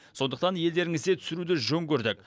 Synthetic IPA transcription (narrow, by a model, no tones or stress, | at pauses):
so̞nd̪əqt̪ɑnje̞ld̪e̞ɾɪŋɪzd̪e̞t̪ʰʏ̥sɪɾud̪ɪʒɵŋkʲʰɵɾd̪ɪk